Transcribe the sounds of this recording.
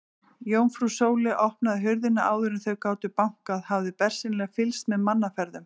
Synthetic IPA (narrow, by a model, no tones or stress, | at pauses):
joːwnfɾusoːwlɪʔɔhpnaðɪɦʏɾðɪnːaʔaːwðʏɾɪnθœɣkaːwt̪ʏpawŋ̥kaðhavðɪpɛr̥sinlɛɣfɪlst̪mɛðmanːafɛɾðʏm